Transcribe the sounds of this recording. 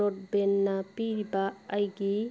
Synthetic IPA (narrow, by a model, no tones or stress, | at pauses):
ot̚benːapiɾibaːjɡi